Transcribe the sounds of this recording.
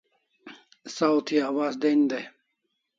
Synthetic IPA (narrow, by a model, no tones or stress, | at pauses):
sawt̪ʰiawaːzd̪end̪e